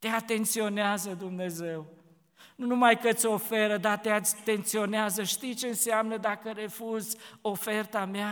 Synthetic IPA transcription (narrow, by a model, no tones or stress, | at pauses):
t̪eat̪e̞nt̪sio̞neazəd̪umne̞ze̞w | nunumajkət̪sʲo̞fe̞ɾəd̪at̪eat̪sʲt̪e̞nt̪sio̞neazəʃt̪ijt͡ʃe̞ɨnseamnəd̪akəɾe̞fuzo̞fe̞rt̪amea